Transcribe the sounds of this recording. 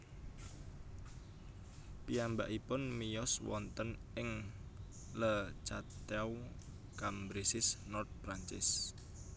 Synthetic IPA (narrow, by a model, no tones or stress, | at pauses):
piambaʔipʊnmijɔswɔ̰nt̪ənɪŋ | lət͡ʃat̪aw | kambɾisɪsnɔrt̪̚pɾaɲt͡ʃɪs